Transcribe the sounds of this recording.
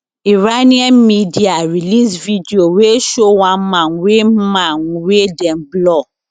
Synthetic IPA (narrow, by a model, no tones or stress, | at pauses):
iɹanĩãnmidiaɹilisvidioweʃowãnmãnwem̩mãnwedɛ̃nblɔ